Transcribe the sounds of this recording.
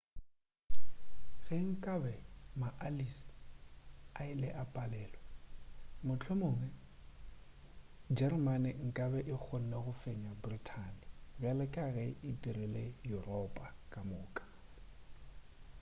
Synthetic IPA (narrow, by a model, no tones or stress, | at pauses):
ɣɛŋ̩kʼabɛmaʔalis | aɪlɛʔapʼalɛːlɔ | mʊt͡ɬʰwemʊːŋɛ | d͡ʒɛrmanɪŋ̩kʼabɛʔɪk͡xʰon̩leɣʊfeɲabritʰanɪbjalɛkʼaɣɛɪtʼirilejurɔpʼakʼamʊːkʼḁ